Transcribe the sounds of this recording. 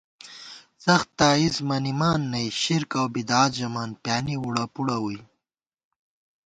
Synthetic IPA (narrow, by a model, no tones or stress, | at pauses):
sɐxt̪ːaːizmanimaːnːɐjʃiɾkawbid̪aːt̪ʒɐmaːnpjaːniwuɽapuɽawuj